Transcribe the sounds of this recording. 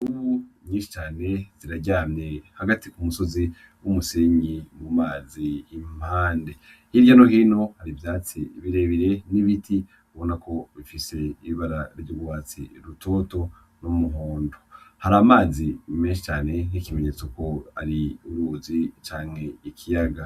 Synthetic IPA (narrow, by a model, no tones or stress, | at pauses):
uβuɲiːnʃi̥t͡ʃaːne̞z̥iɾaɟaːmɲe̞haɡatikumuso̞zi | wumuseɲimumaːziːm̥haːnde̞ | hiɾɟano̞ɦiːno̞haɾivjaːt͡siβiɾe̞βiɾe̞niβitʰi | uβo̞nako̞βifiseiβaɾaɾɟuɡwaːt͡sḭɾutʰo̞ːto̞ | numuɦoːndohaɾaːmaːzimeːnʃit͡ʃaːne̞nikime̞ɲe̞t͡soko̞aɾiuɾuːzit͡ʃaːŋe̞ikʰijaɡa